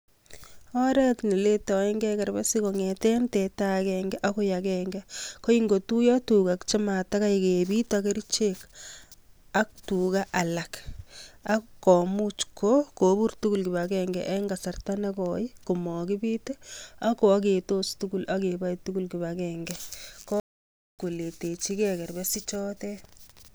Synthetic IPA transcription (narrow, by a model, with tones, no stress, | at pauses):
ɔ˦ɾɛ˦tni˨le˦tɔ˨ɛ˦ŋɡɛ˦ka˨ɾba˦si˦koŋetɛ˦ntɛ˨ta˦kɛŋɡɛ˦ʔa˦ko˦jakɛŋɡɛko˦iŋɡo˨tu˦jɔ˦tu˨kakt͡ʃɪ˦ma˨ta˦ka˦ikebi˦take˦ɾit͡ʃek | a˦k̚tuka˦ʔa˨la˨k | a˦kːɔ˨mut͡ʃkoko˨bu˦ɾtu˦ku˦lki˨βakɛŋɡɛʔɛ˦ŋɡa˨sa˨rta˦nɛ˦kɔi˦ku˨mɔ˨ki˦bite˦a˦ko˨a˦k̬e˨to˦stuku˦lʔa˦ke˨ba˦jtu˦ku˦lki˨βakɛŋɡɛkɔ˦ | ko˨le˨te˨t͡ʃi˦kɛkɛ˨rbɛsi˦t͡ʃɔ˦tɛ